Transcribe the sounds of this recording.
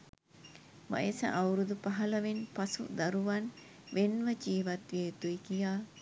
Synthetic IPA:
ma̰jesɐ̰ʔawɾud̪upaɦɐlɐʋenpasṵd̪aɾuʋan | ʋenʋəd͡ʒiːʋat̪ʋeːt̪uikijaː

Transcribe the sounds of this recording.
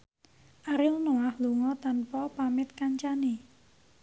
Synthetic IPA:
ʔaɾɪlnoahluŋɔt̪anpɔpamɪt̪̚kaɲt͡ʃane

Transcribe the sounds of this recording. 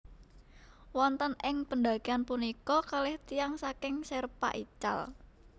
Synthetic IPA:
wɔnt̪ənɪŋpənd̪aɡianpunikɔkalɛht̪ijaŋsakɪŋsɛrpa̰ʔit͡ʃa̰l

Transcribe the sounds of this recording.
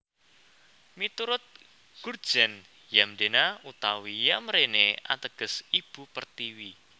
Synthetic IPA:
mit̪uɾʊt̪̚ | ɡ̥urd̥ʒ̥ɛn | jamd̪enaut̪awijamɾenea̰t̪əɡ̥ə̤sib̥ṳpərt̪iwi

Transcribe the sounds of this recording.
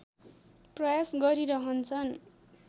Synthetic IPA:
prʌjasɡʌɾiɾʌɦʌnt͡sʰʌn

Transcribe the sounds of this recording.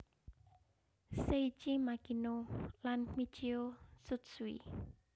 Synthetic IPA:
set͡ʃimakinolanmit͡ʃiosut̪swḭ

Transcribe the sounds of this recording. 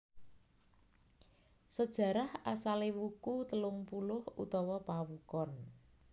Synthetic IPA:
səd̥ʒ̥ä̤ɾahasalewukut̪əlʊŋpulʊhṵt̪ɔwɔpawukɔn

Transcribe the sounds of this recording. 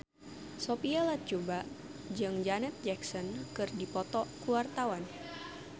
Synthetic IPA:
sopialat̪̚t͡ʃubaʔ | d͡ʒɨŋd͡ʒanɛt̪̚d͡ʒɛksɔnkɨrdipɔt̪ɔkuwart̪awan

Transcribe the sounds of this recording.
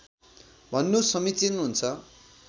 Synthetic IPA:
bʱʌnːusʌmit͡sinɦunt͡sʰʌ

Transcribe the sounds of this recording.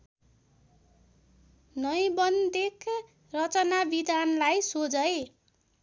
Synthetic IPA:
nʌjbʌnd̪ek | rʌt͡sʌnabid̪anlajsod͡zʌe

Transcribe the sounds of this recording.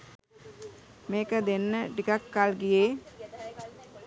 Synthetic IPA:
meːkəd̪enːəʈikakːalɡijeː

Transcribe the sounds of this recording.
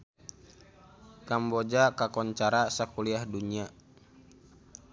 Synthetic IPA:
kambɔd͡ʒakakɔɲt͡ʃaɾasakuliahduɲia

